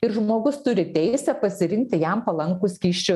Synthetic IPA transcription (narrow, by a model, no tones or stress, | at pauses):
ɪɾʒmoːɡʊst̪ʊɾʲɪt̪ʲɛɪsʲɛpɐsʲɪɾʲɪŋʲk̚t̪ʲɪjæmpɐlˠɐŋkʊskʲiːʃʲt͡ʃʲʊ